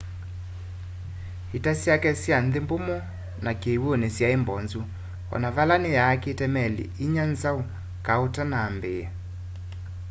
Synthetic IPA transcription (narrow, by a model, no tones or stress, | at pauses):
hitasjakɛsjanðembomɔ | nakewonesjaembɔnzu | ɔ̰navalanejaːketɛmɛlḭiɲanzau | kaotanaːmbeja